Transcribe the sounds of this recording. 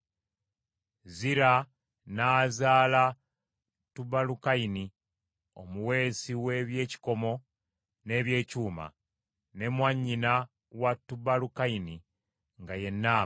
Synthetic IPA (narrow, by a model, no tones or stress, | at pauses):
ziɾa | naːzaːla | tubalukaini | o̞muwe̞ːsiwe̞βje̞ːci̥ko̞mo̞ | ne̞βje̞ːcuːma̰ | ne̞mwaɲːina | watːubalukaini | ŋɡaje̞nːaː